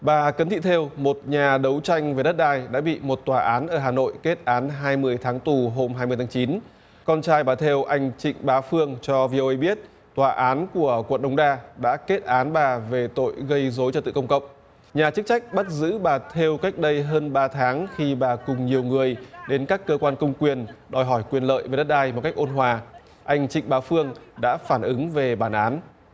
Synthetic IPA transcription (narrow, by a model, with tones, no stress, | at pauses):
ɓaː˨˩kə˨˦nt̪ʰḭ˧˨t̪ʰe˧wmo˨˩t̚ɲaː˨˩ɗə˨˦wt͡ɕa˧jŋ̟ve˨˩ɗə˦˥t̚ɗaː˧˩jɗa̰ː˧˥ɓḭ˧˨mo˨˩t̚t̪waː˨˩ʔaː˨˦nʔəː˧˩ɦaː˨˩no̰˧˨jke˦˥t̚ʔaː˨˦nɦaː˧jmɨ˧əjt̪ʰaː˨˦ŋt̪u˨˩ɦo˧mɦaː˧jmɨ˧əjt̪ʰa˨˦t͡ɕi˨˦n | kɔ˧nt͡ɕaː˧jɓaː˨˩t̪ʰe˧wʔa˧jŋ̟t͡ɕḭ˧˨ŋ̟ɓaː˨˦fɨ˧əŋt͡ɕɔ˧vi˧o˧ʔə˧jɓi˦˥ət̚ | t̪waː˨˩ʔaː˨˦nku˧˩əkwə̰˧˨nɗə˨˦wŋ͡mɗaː˧ɗa̰ː˧˥ke˦˥t̚ʔaː˨˦nɓaː˨˩ve˨˩t̪o̰˧˨jɣə˧jzo˨˦jt͡ɕɔ˧t̪ɨ̰˧˨kə˧wŋ͡mkə̰˧˨wk͡pŋ͡m̚ | ɲaː˨˩t͡ɕɨ˦˥k̚t͡ɕa˦˥jk̟̚ɓa˦˥t̚zɨ̰˧˥ɓaː˨˩t̪ʰe˧wka˦˥jk̟̚ɗə˧jɦəː˧nɓaː˧t̪ʰaː˨˦ŋxi˧ɓaː˨˩kʊ˨˩ŋ͡mɲi˨˩əwŋɨ˨˩əjɗe˨˦nkaː˦˥kːəː˧kwaː˧nkə˧wŋ͡mkwi˨˩ənɗɔ˨˩jɦɔ˧˩jkwi˨˩ənlə̰ː˧˨jve˨˩ɗə˦˥t̚ɗaː˧jmɔ˨˩ka˦˥jk̟ʔo˧nɦwaː˨˩ | ʔa˧jŋ̟t͡ɕḭ̈˧˨ŋ̟ɓaː˨˦wfɨ˧əŋɗa̰ː˧˥faː˧˩nʔɨ˨˦ŋve˨˩ɓaː˧˩nʔaː˨˦n